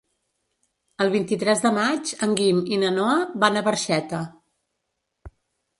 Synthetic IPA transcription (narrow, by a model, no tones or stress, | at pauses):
əlˠβ̞int̪it̪ɾɛzðəmad͡ʒəŋɡiminənɔəβanəβəɾʃɛt̪ə